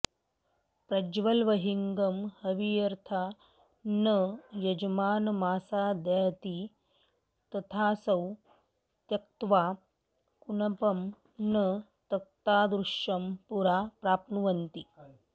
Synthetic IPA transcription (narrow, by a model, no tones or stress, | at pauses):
pɾɐd͡ʒʋɐlʋɐɦiŋɡɐmhɐʋijɐɾt̪ʰa | nəjɐd͡ʒmaːnmaːsad̪ajt̪i | t̪ɐt̪ʰaːsɐw | t̪jɐk̚t̪ʋaː | kunɐpɐm | nə | t̪ɐk̚t̪aːd̪ɾuʂɐmpuɾaːpɾaːpnuʋɐnt̪i